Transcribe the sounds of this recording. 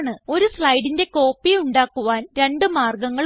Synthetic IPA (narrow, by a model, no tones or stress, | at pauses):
ɳɨo̞ɾuslɐjɽinde̞ko̞ːpːiuɳɖaːkːuʋaːnɾe̞ɳɖɨmaːrɡɐŋːɐɭ